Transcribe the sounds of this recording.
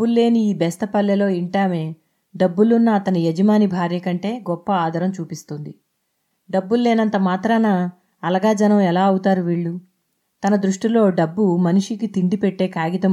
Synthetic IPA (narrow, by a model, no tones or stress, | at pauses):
bulːe̞ːniiːbɛst̪ɐpɐlːelo̞ːiɳʈaːme̞ː | ɖɐbːulunːɐːt̪ɐnijed͡ʒɐmaːnibʱaːɾjɐkɐɳʈe̞ːɡɔpːɐaːd̪ʱɐɾɐmt͡ʃuːpist̪und̪i | ɖɐbːulːe̞ːnɐnt̪ɐmaːt̪ɾaːnɐː | lɐɡaːd͡ʒɐnɐmɛlaːɐwut̪aːɾuʋiːɭːu | t̪ɐnɐd̪ɾuʂʈilo̞ːɖɐbːumɐniʂikit̪iɳɖipɛʈːe̞ːkaːɡit̪ɐm